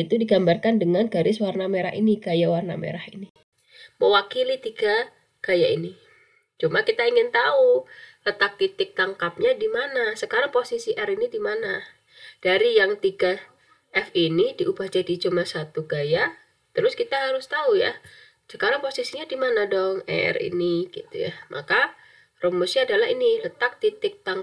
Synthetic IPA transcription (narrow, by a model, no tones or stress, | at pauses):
it̪udiɡambarkandəŋanɡaɾɪswarnameɾa̰hiniɡajawarna̰mḛɾahini | məwakilit̪iɡa | ɡ̥ajaʔini | t͡ʃumakit̪aiŋɪnt̪aulət̪ak̚t̪it̪ɪk̚t̪aŋkap̚ɲadimanasəkaɾaŋposisiʔɛrinidimana | d̥aɾijaŋt̪iɡa | ʔɛfinidiʔubahd͡ʒadit͡ʃumasat̪uɡaja | t̪əɾʊskit̪aɦaɾʊst̪auja̰ | sə̥kaɾaŋposisiɲadimanadɔŋɛ̰rḭniɡ̥ḭt̪ṵja̰mʔa̰ka | romusaadalaɦinilət̪ak̚t̪it̪ɪk̚t̪aŋ